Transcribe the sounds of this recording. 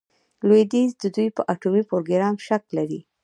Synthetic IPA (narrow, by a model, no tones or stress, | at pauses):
lwed̪izd̪əd̪ujpəʔaʈumipoɾoɡɾɑmʃaklaɾi